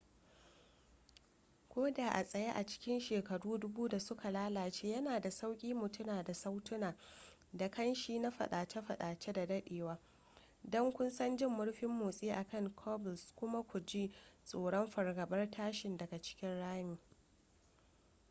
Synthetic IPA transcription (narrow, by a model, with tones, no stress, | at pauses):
kʷoː˦daː˨ʔa̰˨sʼɐ˨ja˦ʔa˨t͡ʃɪ̥˦kʲɪ˦nʃeː˨kɐ˨ɽuː˦dʊ˦buː˦da˨sʊ˦kʰa˨laː˦laː˨t͡ʃeː˦jɐ˦naː˨da˨sa˦wkʲʼiː˦mʊ˨tʊ˦naː˨da˨sa˦wtʊ˦naː˨ | da˨kɐ˦nʃiː˦na˦ɸɐ̰˨ɗaː˨t͡ʃe˦ɸɐ˨ɗaː˨t͡ʃe˦da˨dɐ˦ɗeː˨waː˦ | dɔ˦ŋkʷʊ˦nsɐ˦nd͡ʒɪ˦˨mːʊ˦ɽɸɪ˦mːoː˨sʼiː˦ʔa˨kɐ˦˨ŋkʰɔː˦bɪ˨skʷʊ˦ma˦kʷu˨d͡ʒi˦sʼoː˨ɽɔ˦mɸɐ˨rɡɐ˨bɐ˦rtʰaː˦ʃɪ˨ndɐ˨ɡa˨t͡ʃɪ̥˦kʲɪ˦nɽaː˦miː˨